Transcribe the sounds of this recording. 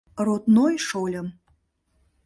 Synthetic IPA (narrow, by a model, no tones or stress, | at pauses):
rɔt̪nɔjʂɔlʲəm